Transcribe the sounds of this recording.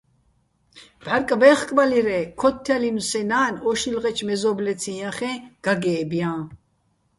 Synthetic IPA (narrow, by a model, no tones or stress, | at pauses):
bʱaɾkʼvɛχkʼvaliɾɛkʰɔt̪ʰːalinusɛnaːnɔʃilʁɛt͡ʃʰmɛzɔblɛt͡sʰĩjãχɛ̃ɡ̥aɡɛːbjã